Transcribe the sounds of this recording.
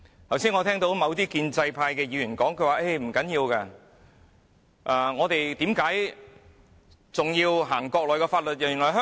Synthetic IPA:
t̪ʰɐ˨˩wsiː˥nŋɔː˨˧t̪ʰɛː˥ŋt̪o˨˥wmɐ˨˧wt̪iː˥kiː˧nt͡sɐ˧jpʰaː˧jkɛː˧jiː˨˧jyː˨˩nkɔː˨˥ŋkʰɵ˧ɥwaː˨˩ʔe˥˩jm̩˨˩kɐ˨˥njiː˧wkaː˧ | ʔɛː˧ŋɔː˨˧t̪e˨jt̪iː˨˥mkaː˨˥j | t͡sʊ˨ŋjiː˧wɦaː˨˩ŋkɔː˧k̚lɔː˨˩kɛː˧faː˧t̚lɵ˨t̚jaː˨˩y˨˩nlɔː˨˩ɦœː˥

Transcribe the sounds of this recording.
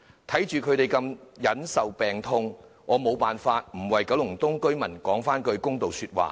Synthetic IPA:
t̪ʰɐ˨˥jt͡ʃyː˨kʰɵ˨˧ɥɾe˨jkɐ˧mjɐ˨˥nsɐ˨wpɛː˨˩ŋt̪ʰʊ˧ŋ | ŋɔː˨˧mo˨˧wpaː˨nfaː˧t̚m̩˨˩wɐ˨jkɐ˨˥wlʊ˨˩ŋt̪ʊ˥ŋkɵ˥ɥmɐ˨˩nkɔː˨˥ŋfaː˥nkɵ˧ɥkʊ˥ŋt̪o˨wsyː˧t̚wa̰ː˨

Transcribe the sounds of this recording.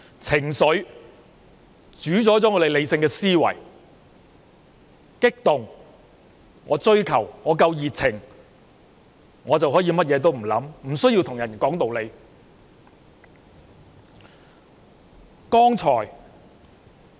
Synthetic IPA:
t͡sʰɪ˨˩ŋsɵ˨˥ | t͡ʃyː˨˥t͡sɔː˨˥t͡sɔː˨˥ŋɔ˨˧le˨˧jle˨˧jsɪ˧ŋkɛː˧siː˥wɐ̰˨˩j | kɪ˥k̚t̪ʊ˨ŋ | ŋɔː˨˧t͡sɵ˥ɥkʰɐ˨˩wŋɔː˨˧k̬ɐ˧wjiː˨˩t̚t͡sʰɪ˨˩ŋ | ŋɔː˨˧t͡sɐ˨wɦɔː˨˥jiː˨˧mɐ˥t̚jɛː˨˧t̪̬o˥wm̩˨˩lɐ̰˨˥mm̩˨˩sɵ˥jiː˧wt̪ʰʊ˨˩ŋjɐ˨˩nkɔː˨˥ŋt̪o˨wle˨˧j | kɔː˥ŋt͡sʰɔː˨˩j

